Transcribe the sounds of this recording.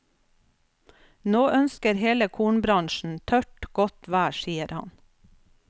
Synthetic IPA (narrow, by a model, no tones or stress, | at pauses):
noːʔœnskəɾheːləkʰuːɳbɾɑŋʃn̩t̪ʰœʈɡ̥ɔt̪ʋæːʃiːəɾhɑ̰n